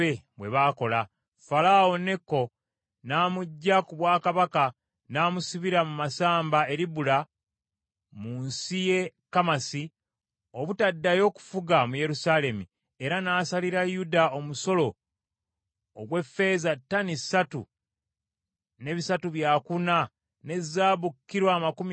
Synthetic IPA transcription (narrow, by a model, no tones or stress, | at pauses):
eβwe̞βaːko̞la | falao̞nekːo̞ | naːmuɟːakuβwaːkaβaka | naːmusiβiɾamumasaːmbae̞ɾiβula | munsije̞kamasi | oβutadːajo̞ːku̥fuɡamuje̞ɾusale̞mi | e̞ɾanaːsaliɾajudao̞muso̞lo̞ | o̰ɡwe̞fːe̞ːzatːanisatṵ | ne̞βisatuβjaːkuna | ne̞zːaːβukːiɾwaːmakum